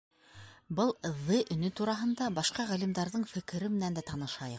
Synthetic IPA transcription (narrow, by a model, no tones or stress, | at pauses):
bɤlˠɤ̆ðːɤʔɵ̆nɵt̪uɾɑɦɤ̆nd̪ɑbɑʃqɑʁælimd̪ɑɾðɤɴfɘ̆kɘ̆ɾɘmɘ̆nænd̪æt̪ɑnɤ̆ʃɑjɤq